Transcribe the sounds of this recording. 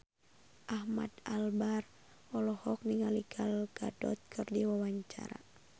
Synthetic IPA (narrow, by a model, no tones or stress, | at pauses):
ʔahma̰d̪albar | ɔlɔhɔk̚niŋaliɡalɡadɔ̰t̪̚kʰɨrdiwawaɲt͡ʃa̰ɾa̰